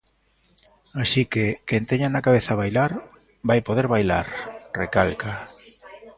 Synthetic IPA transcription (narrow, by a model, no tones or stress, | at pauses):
asikekent̪eɲanakaβeθaβajlaɾ | bajpoðeɾβajla̰ɾrekalka